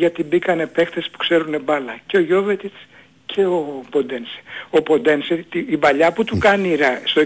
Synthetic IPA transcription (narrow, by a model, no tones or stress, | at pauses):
ʝɐt̪ibikɐne̞pe̞xt̪e̞spu̥kse̞ɾune̞bɐlɐceo̞ʝo̞ve̞t̪it͡s | cʰe̞o̞po̞d̪ense̥o̞po̞d̪e̞nset̪iibɐʎɐput̪ukɐniɾɐst̪o